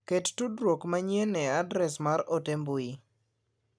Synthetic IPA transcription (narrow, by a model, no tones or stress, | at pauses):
kettudɾwokmaɲjenɛadɾɛsmaɾotembui